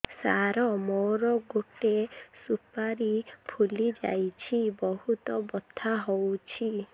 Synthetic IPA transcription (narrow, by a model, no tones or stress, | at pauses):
saɾɔmoɾɔɡoʈesupaɾipʰulid͡ʒa̰jt͡ʃʰibɔɦut̪ɔbɔt̪ʰːaɦowt͡ʃʰi